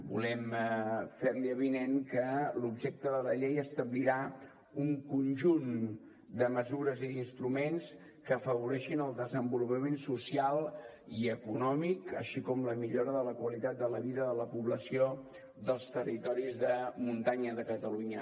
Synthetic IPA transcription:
bṵlɛm | feɾliəβineŋkəlubʒɛk̚t̪əðələʎejəst̪əβliɾa | uŋkunʒun | d̪əməzuɾəziinst̪ɾumens | kəːfəβuɾɛʃinəlˠd̪əzəmbulupəmensusialˠ | iəkunɔmikə̰ʃikɔmləmiʎoɾəðələkwəlit̪at̪̚d̪ələβiðəðələpuβləsio | ðəlˠst̪ərit̪ɔɾizðəmunt̪aɲəðəkət̪əluɲə

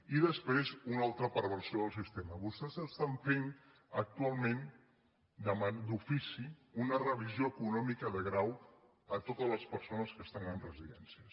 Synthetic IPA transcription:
iðəspɾezunalˠt̪ɾəpəɾβ̞əɾsioðəlˠs̬ist̪eməβust̪ɛzəst̪aɱfen | ək̚t̪ualˠmẽn | d̪əmand̪ufisiunərəβ̞izioəkunɔmikəðəɣɾaw | ət̪ot̪əzləspəɾsonəskəst̪anəmrəziðɛnsiə

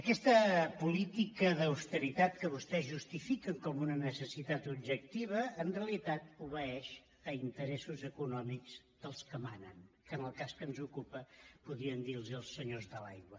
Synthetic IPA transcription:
əkɛst̪əpulit̪ikəðəwst̪əɾit̪at̪̚kəβust̪ɛzʒust̪ifikəŋkɔmunənəsəsit̪at̪ubʒək̚t̪iβ̞əːnrreəlit̪at̪̚uβəɛʃ | əint̪əɾɛsuzəkunɔmikz̥ | ðəlˠskəmanənkənəlˠkaskənzukupəpuðɾiənd̪ilˠziəlˠsːəɲozðəla̰jɣwə

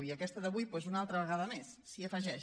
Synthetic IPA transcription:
iəkɛst̪əðəβujpwezunalˠt̪ɾəβ̞əɣ̞aðəmesːiəfəʒɛʃ

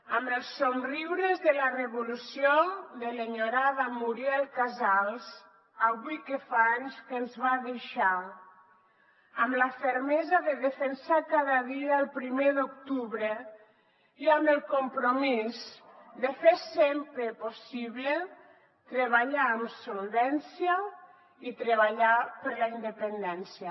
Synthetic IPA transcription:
ambəlˠsːonriwɾezðelareβolusjod̪eleɲoɾaðamuɾjɛlˠkazalˠz | aβujkefaɲskenzβaðeʃa | amlafeɾmɛzaðeðefensakaðaðiaːlˠpɾimeðuk̚t̪uβɾe | iamelˠkompɾomizd̪efeɾsempɾeposiβle | t̪ɾeβaʎaːmsolˠβɛnsja | it̪ɾeβaʎapəɾlaind̪epend̪ɛnsja

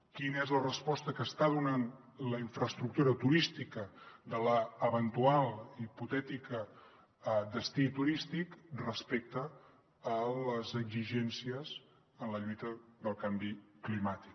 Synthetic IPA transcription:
kinəɛzlərəspɔst̪əkəst̪aðunan | ləiɱfɾəst̪ɾuk̚t̪uɾət̪uɾist̪ikəd̪ələːβənt̪ualˠiput̪ɛt̪ikə | d̪əst̪it̪uɾist̪ikrəspɛk̚t̪əː | ləzəɡziʒɛnsiəz | ənləʎujt̪əðəlˠkambiklimat̪ik

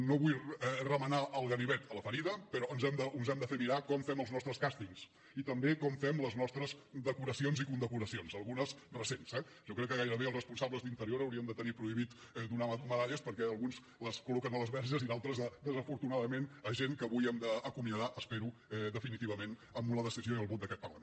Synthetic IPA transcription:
noβujrəmənaʔəlˠɣəniβɛt̪ələfəɾiðəpəɾɔənzɛmd̪əunzɛmd̪əfemiɾakɔmfɛməlˠznɔst̪ɾəskast̪iŋs | it̪əmbekɔmfɛmləznɔst̪ɾəzd̪əkuɾəsionzikund̪əkuɾəsionzəlˠɣunəzrəsensɛ | ʒɔkɾɛkːəɣajɾəβeəlˠzrəspunsabləzðint̪əɾioɾəwɾiəmd̪ət̪ənipɾuiβit̪ | d̪unaməðaʎəspəɾkɛəlˠɣunz | ləskulɔkənələzβɛɾʒəzinalˠt̪ɾəzðəd̪əzəfuɾt̪unaðəmenəʒeŋkəβujəmd̪əːkumiəðaʔəspeɾuɛd̪əfinit̪iβəmenəmbunəðəsizioiəlˠβot̪d̪əkɛt̪pəɾlə

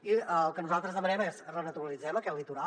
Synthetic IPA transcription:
iəlˠkənuzalˠt̪ɾəzðəmənɛmezrənət̪uɾəlid͡zɛməkɛt̪lit̪uɾa

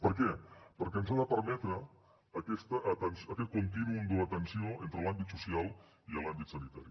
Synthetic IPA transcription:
pəɾkɛpəɾkɛənzaðəpəɾmɛt̪ɾəː | kɛst̪əʔːt̪ənsəkɛt̪̚kunt̪inuund̪uət̪ənsioent̪ɾəlambit̪susialˠ | iəlambit̪sənit̪a̰ɾi

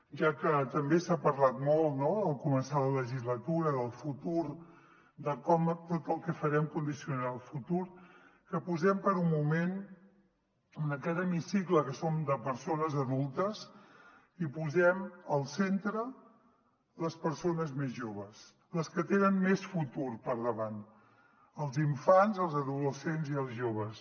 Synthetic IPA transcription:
ʒakət̪əmbesapəɾlat̪mɔlˠnoəlˠkumənsalələʒizlət̪uɾəðəlˠfut̪uɾ | d̪əkɔmt̪ot̪əlˠkɛfəɾɛmkund̪isiunaəlˠfut̪uɾkəpuzɛmpəɾummumen | unəkɛɾəmisikləkəsomd̪əpəɾsonəzəðulˠt̪əs | ipuzɛməlˠsent̪ɾə | ləspəɾsonəzmezʒoβəs | ləskət̪enənmesfut̪uɾpəɾðəβan | əlˠziɱfanzəlˠzəðuləsenziəlˠzʒoβ̞əs

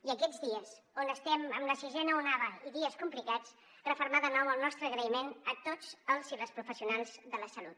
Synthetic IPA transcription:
iəkɛd͡zðiəs | onəst̪ɛməmləsizɛnəunaβəiðiəskumplikat͡s | rəfuɾmaðənɔwəlˠnɔst̪ɾəɣɾəimenət̪ot͡səlˠzirəspɾufəsiunalˠzðələsəlut̪

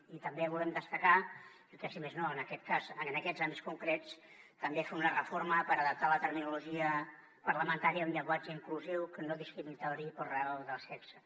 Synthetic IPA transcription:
it̪əmbeβulɛmd̪əst̪əka | ikɛsimeznoənəkɛt̪̚kasənəkɛzambiskuŋkɾet͡s | t̪əmbefeunərəfoɾməpəɾəðəp̚t̪alət̪əɾminuluʒiə | pəɾləmənt̪aɾiəunʎəŋɡwad͡ʒəiŋkluziwkənoðiskɾimit̪awɾipəlrealˠd̪əlsɛpsə

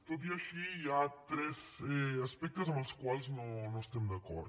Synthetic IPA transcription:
t̪op̪iaʃiat̪ɾɛsɛaspɛkt̪ːes̬omalskwalsnonːost̪emd̪akːɔ̰rd̪

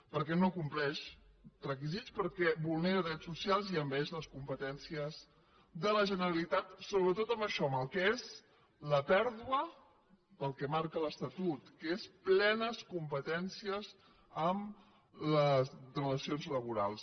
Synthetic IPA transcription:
pəɾkɛnokumplɛʃ | rək̬izit̪t͡spəɾkɛβulˠneɾəðɾɛt͡ssːusialˠziəmbɛʒləskumpət̪ɛnsiəz | d̪ələʒənəɾəlit̪at̪soβɾət̪ot̪əmbəʃɔməlˠkɛez | ləpɛɾðuə | pəlˠkɛmaɾkələst̪ət̪ut̪kesplɛnəskumpət̪ɛnsiəz | əm | ləzrrələsionzləβ̞uɾa̰lˠs

